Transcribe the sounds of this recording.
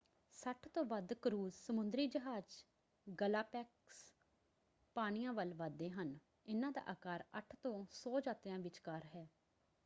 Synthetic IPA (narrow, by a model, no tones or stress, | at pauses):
səʈʰt̪õːʋəd̪kəɾuːzsəmʊnd̪ɾiːd͡ʒəɦaːd͡ʒ | ɡəlaːpɛːks | paːɽ̃ijãːʋəlʋad̪ːeːɦən | ɪnãːd̪a̰ːʔaːkaːɾəʈʰt̪õːsɔːd͡ʒaːt̪jãːʋɪt͡ʃkəɾɦɛː